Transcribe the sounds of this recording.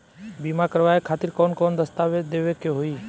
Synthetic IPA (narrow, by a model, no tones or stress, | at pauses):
biːmaːkəɾʋaːekʰaːt̪ɪɾkoːnkoːnd̪əst̪aːʋed̪eːʋeːkeɦoiː